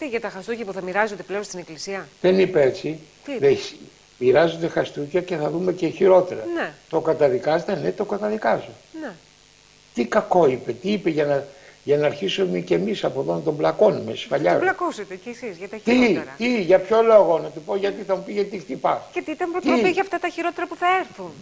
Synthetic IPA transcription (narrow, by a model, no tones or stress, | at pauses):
t̪iʝɐt̪ɐxɐst̪ucɐpuθɐmiɾɐzod̪epleonst̪ineklisiɐðe̞nipeet͡si | ðes | miɾɐzod̪e̞xɐst̪ucɐce̞θɐðume̞ce̞çiɾo̞t̪e̞ɾɐ̰net̪o̞kɐt̪ɐðikɐzet̪e̞net̪o̞kɐt̪ɐðikɐzone | t̪ikɐko̞ipe̞t̪iipeʝɐnɐʝɐnɐːɾçisumece̞misɐpo̞ðonɐt̪o̞mblɐko̞numḛsfɐʎɐlɐkuset̪eesizʝɐt̪ɐt̪iɐt̪iʝɐpço̞lo̞ɣo̞nɐt̪ipo̞ʝɐt̪iθɐmupiʝɐt̪ixt̪ipɐscet̪it̪ɐmpɾot̪iʝɐft̪ɐt̪ɐçiɾot̪eɾɐpuθɐeɾθun